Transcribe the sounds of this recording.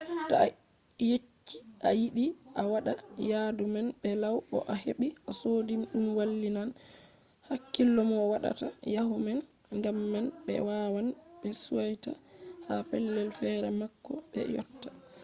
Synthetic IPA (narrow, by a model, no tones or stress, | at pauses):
ta | jet͡ʃːi̥ʔajiɗiʔawaɗajadumanɓɛlawɔ̰ʔaheɓiʔasodimɗumwalːinan | hakːilːɔmɔwaɗa̰tajahumɛn | ŋɡamːanɓɛ̰wawanɓɛsuwajtahafɛlːɛlfɛɾɛmakːɔɓɛ̰jɔ̰tːa